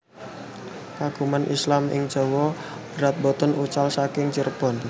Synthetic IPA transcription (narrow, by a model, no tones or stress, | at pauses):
kaɡ̥ṳmanʔḭslamɪ̰ŋ̥ʒ̥ɔ̤wɔ | b̥əɾat̪̚bɔt̪ɔnut͡ʃalsakɪŋt͡ʃirb̥ɔ̤n